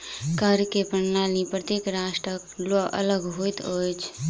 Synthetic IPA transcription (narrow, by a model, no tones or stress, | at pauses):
kəɾkepəɳnalnipɾət̪ekɾasʈəkloʔə̰ləɡɦojt̪ojt͡ʃʰ